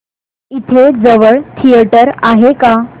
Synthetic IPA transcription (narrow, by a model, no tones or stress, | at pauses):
it̪ʰed͡zəʋəɭt̪ʰijəʈəɾaɦeka